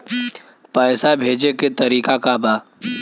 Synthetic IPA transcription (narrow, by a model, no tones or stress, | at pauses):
pɛːsabʱeːd͡ʒeket̪ɐɾiːkakabaː